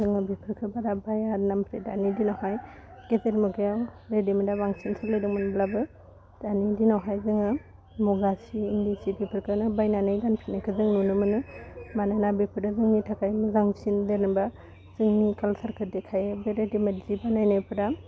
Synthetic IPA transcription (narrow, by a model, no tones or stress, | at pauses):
zɯŋɯbipʰɾkʰɯbaɾabajaɾnampʰɾedanidinawɦaj | ɡ̥eteɾmɔkeawɾedimidabaŋsinsʰalajdɯŋmanblabɯ | d̥anidinawɦajzɯŋɯ | muɡasiːndisibipʰɯɾkʰɯnɯbajnanajdanpʰɾinakʰɯzɯŋnunɯmɯnɯmanajnabepʰɯdazɯŋnitʰakajmɯzaŋsindenɯba | z̥ɯŋnikalsaɾkʰɯɾdekʰajebeɾedimadzibanajnajpʰɯda